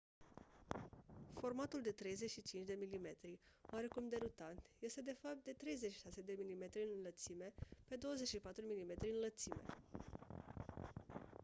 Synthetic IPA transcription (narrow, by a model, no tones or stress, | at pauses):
fo̞rmat̪uld̪e̞t̪ɾe̞jze̞t͡ʃʃit͡ʃint͡ʃd̪e̞milime̞t̪ɾiowaɾe̞kumd̪e̞ɾut̪ant̪je̞st̪e̞d̪e̞fap̚t̪̚d̪e̞t̪ɾe̞jzet͡ʃʃi̥ʃase̞d̪e̞milime̞t̪ɾiɨnlət̪sime̞pe̞d̪o̞wəze̞t͡ʃʃipat̪ɾumilime̞t̪ɾiɨnlət̪sime̞̰